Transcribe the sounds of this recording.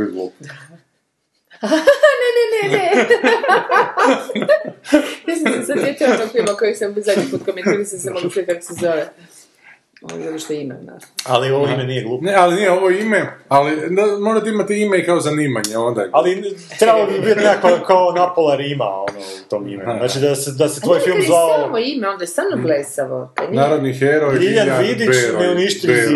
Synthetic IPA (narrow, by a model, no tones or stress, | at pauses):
iɡlˠṵːp̪a | anenenee | mislimasaet̪ionoɡpimokojekseubizad̪ɲipuːt̪̚komentiɾisesemoɡuːt͡ʃikako̥sezoʋe | o̰no̰zad̪oʃt̪oimḛna̰alioʋoimenijeɡlˠuːpnealinijeoʋoimealid̪amoʒat̪eimat̪iimekaozaniːmaɲeond̪a̰ali | t̪ɾebalobibit̪nekakʋakaonapolaɾima̰ono̰ut̪oːmḭmeznaːt͡ʃid̪ased̪aset̪ʋo̞jfilˠmzʋaooamoimeo̞nd̪aest̪aːlnoɡlesaʋo̰kanaɾod̪nixeɾojɡiʎanʋid̪it͡ʃmeniʃt̪ii